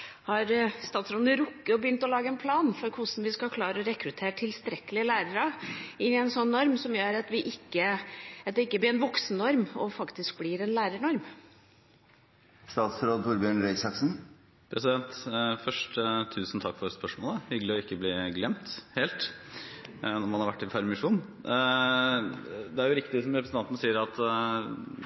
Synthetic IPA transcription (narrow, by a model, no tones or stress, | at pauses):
hɑɾst̪ɑːt̪sɾoːd̪nəɾʊkːəɔbəjʏnt̪ɔlɑːɡəɛnpʰlɑːnfɔɾkʰʊsn̩ʋɪskɑkʰlɑːɾəɔɾɛkɾʉt̪ʰeːɾʈʰɪlst̪ɾɛkːəlɪəlæːɾəɾɑɪnːɪɛɪnsɔnːɔɾmsɔmjøːɾɑt̪ʋɪʔɪkːəɑt̪̚d̪ɛɪkːəblɪɾɛnʋɔksnnɔɾmɔfɑkt̪ɪsk̚blɪɾɛnlæːɾəɳɔɾm | st̪ɑːt̪sɾoːd̪fɔɾbjøːɳɾɛɪsɑksn̩ | pʰɾɛsɪd̪ɛnt̪fœʂʈt̪ʰʉːsnt̪ʰɑkːfɔɾspœʂmoːləhʏɡəlɪɔɪkːəbliːɡlɛmt̪heːlt̪ | nɔɾmɑnhɑɾʋæʈːɪfʰɑɾmɪʂuːn | d̪ɛæɾjʊɾɪkt̪ɪsɔmɾɛpɾəsn̩ʰɑnt̪ənəsiːəɾɑt̪